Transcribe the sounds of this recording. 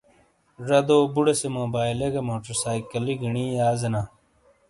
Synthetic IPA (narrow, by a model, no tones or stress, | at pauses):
ɾɐd̪oːbuɽesemoːbaːjleɡɐmoːʈɐɾsaːikɐliɡiɳiːaːzɐnaː